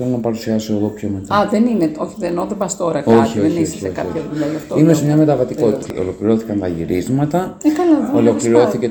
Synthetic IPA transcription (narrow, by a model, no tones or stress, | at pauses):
elonɐpɐɾusiɐsoeðo̞pçomet̪aðenineoçiðenoðebɐst̪oɾɐkoçioeniosɐ̥seokɐoçɐðuʎajɐft̪oimesemɲɐme̞t̪ɐvɐt̪iko̞t̪it̪ɐo̞̰lo̞kliɾo̞θi̥kɐnt̪ɐʝḭɾizmɐt̪ɐekɐlɐðolo̞kliɾo̞θice